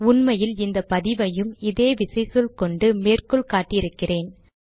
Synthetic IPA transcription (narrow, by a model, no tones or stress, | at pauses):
ʊnmɐjɪlɪnd̪ɐpɐðɪʋɐjɯmɪðeːʋɪsɐɪsɯlkɔɳɖɯmeːrkɔɭkaːʈːɪjɪɾɯkːɪreːn